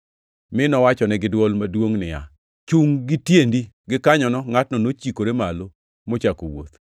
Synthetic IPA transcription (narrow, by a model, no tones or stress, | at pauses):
mɪnɔwat͡ʃɔnɛɡɪdwɔlmadwoŋnɪja̰ | t͡ʃuŋɡɪtjendi | ɡɪkaɲɔnɔŋatnɔnot͡ʃikoɾemalo | mot͡ʃako̰wo̰t̪